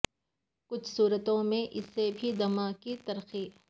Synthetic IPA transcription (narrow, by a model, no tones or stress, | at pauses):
kʊt͡ʃʰsuːɾət̪õmẽʔɪsːebʱid̪ɐmakit̪ɐɾxiː